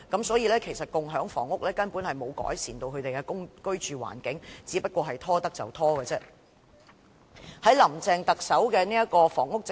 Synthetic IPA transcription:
kɐ˨˥msɔː˨˥jiː˧lɛː˥kʰe˨˩jsɐ˨t̚kʊ˨ŋɦœː˨˥ŋfɔ̰ː˨˩ŋʊ˥k̚lɛː˥kɐ˥npuː˨˥nhɐ˨jmo˨˧wkɔ̰ː˨˥jsiː˨˩nt̪o˧wkʰɵ˨˧ɥt̪e˨jkɛː˧kʊ˥ŋkɵ˥ɥt͡ʃyː˨wa̰ː˨˩nkɪ˨˥ŋt͡siː˨˥pɐ˥t̚kʷɔː˧ɦɐ˨jt̪ʰɔː˥t̪ɐ˥k̚t͡sɐ̰˨˩wt̪ʰɔː˥kɛː˧t͡sɛː˥ | hɐ˨˥jlɐ˨˩mt͡sɛː˨˧ŋt̪ɐ˨k̚sɐ˨˥wkɛː˧niː˥jɐ˥kɔː˧fɔː˨˩ŋʊ˥k̚t͡s

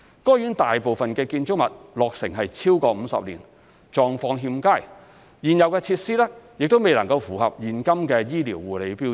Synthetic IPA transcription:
kɔː˥jyː˨˥nt̪aː˨jpo˨wfɐ˨nkɛː˧kiː˧nt͡ʃʊ˥k̚mɐ˨t̚lɔː˨k̚sɪ̰˨˩ŋɦɐ˨jt͡sʰiː˥wkɔː˧m̩˨˧sɐ̰˨p̚liː˨˩n | t͡ʃɔː˨ŋfɔː˧ŋɦiː˧mkaː˥˩j | jiː˨˩njɐ˨wkɛː˧t͡sʰiː˧t̚siː˥lɛː˥jɪ˨k̚t̪o˥wme˨jlɐ˨˩ŋkɐ˧wfuː˨˩hɐ̰˨p̚jiː˨˩nkɐ˥mkɛː˧jiː˥li˨˩wːuː˨le˨˧jpiː˥

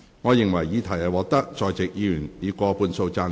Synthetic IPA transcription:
ŋɔː˨˧jɪ˨˩ŋwɐ˨˩jːiː˨˧t̪ʰɐ˨˩ɐ˨˧wɔː˨˧k̚t̪ɐ˥k̚t͡sɔː˨jt͡sɪ˨k̚ji˧˨y˨˩niː˨˧kɔː˧puː˧nso˧wt͡saː˧

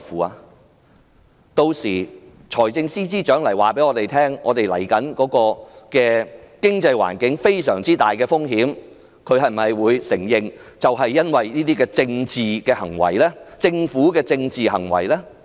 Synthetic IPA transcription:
fuː˨aː˧ | t̪o˧wsiː˨˩ | t͡ʃʰɔː˨˩jt͡sɪ˧ŋsiː˥t͡siː˥t͡ʃœː˨˥ŋlɐ˨˩jwaː˨˩pe˨˥jŋɔː˨˧t̪e˨˩jt̪ʰɛː˥ŋɔ̰ː˨˧t̪e˨jlɐ̰˨˩jkɐ˨˥nkɔː˨˥kɔː˧kɛː˧kɪ˥ŋt͡sɐ˧jwa̰ː˨˩nkɪ˨˥ŋfe˥jsœ̰ː˨˩ŋt͡siː˥t̪aː˨jkɛː˧fʊ˥ŋɦiː˨˥m | kʰɵ˨˧ɥɦɐ˨jm̩˨˩ɐ˨jwuː˨˧jsɪ˨˩ŋjɪ˨ŋt͡sɐ˨wɦɐ˨jːɐ˥nwɐ˨jniː˥t̪iː˥kɛː˧t͡sɪ˧ŋt͡siː˨kɛː˧hɐ˨˩ŋwɐ̰˨˩jlɛː˥t͡sɪ˧ŋfuː˨˥kɛː˧t͡sɪ˧ŋt͡siː˨hɐ̰˨˩ŋwɐ̰˨˩jlɛː˥

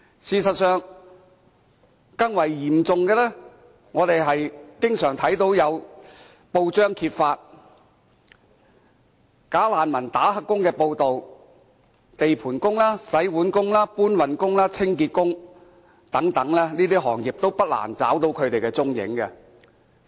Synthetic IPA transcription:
siː˨˧sɐ˨t̚sœː˨ŋ | kɐ˥ŋwɐ˨˩jjiː˨˩mt͡sʊ˨ŋkɛː˧lɛː˥ | ŋɔː˨˧t̪e˨jɦɐ˨jkɪ˥ŋsœː˨˩ŋt̪ʰɐ˨˥jt̪o˨˥wjɐ˨˧w | po˧wt͡ʃœː˥ŋkʰiː˧t̚faː˧t̚ | kaː˨˥laː˨nmɐ˨˩nt̪aː˨˥hɐ˨˧kːʊ˥ŋkɛː˧po˧wt̪o˨w | t̪e˨jpʰuː˨˩nkʊ˥ŋlaː˥sɐ˨˥jwuː˨˥nkʊ˥ŋlaː˥puː˥nwɐ˨nkʊ˥ŋlaː˥t͡sʰɪ˥ŋkiː˧t̚kʊ˥ŋ | t̪ɐ˨˥ŋt̪ɐ˨˥ŋlɛː˥niː˥t̪iː˥ɦɔ̰ː˨˩ŋjiː˨p̚t̪o˥wpɐ˥t̚la̰ː˨˩nt͡sa̰ː˨˥wt̪o˧wkʰɵ˨˧ɥt̪e˨jkɛː˧t͡sʊ˥ŋjɪ̰˨˥ŋkɛ˧

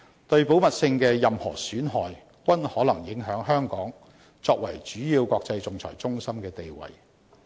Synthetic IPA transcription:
t̪ɵ˧ɥpo˨˥wmɐ˨t̚sɪ˧ŋkɛː˧jɐ˨mhɔː˨˩syː˨˥nɦɔː˨j | kʷɐ˥nhɔː˨˥lɐ˨˩ŋjɪ˨˥ŋɦœː˨˥ŋɦœː˥ŋkɔː˨˥ŋ | t͡sɔː˧k̚wɐ˨˩jt͡ʃyː˨˥jiː˧wkʷɔː˧k̚t͡sɐ˧jt͡sʊ˨ŋt͡sʰɔ̰ː˨˩jt͡sʊ˥ŋsɐ˥mkɛː˧t̪e˨jwɐ̰˨˩j

